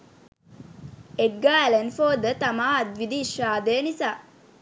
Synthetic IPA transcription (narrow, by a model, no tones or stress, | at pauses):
eʈ̚ɡaːɛlenfoːd̪ət̪amaːɐd̪ʋid̪iːʃaːd̪eːnisaː